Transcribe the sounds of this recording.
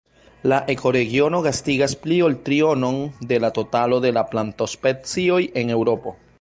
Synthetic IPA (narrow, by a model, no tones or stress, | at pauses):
laʔe̞ko̞ɾe̞ɡio̞no̞ɡastiɡasplio̞ltɾio̞no̞nde̞lato̞talo̞de̞laplanto̞spet͡sio̞je̞ne̞wɾo̞po̞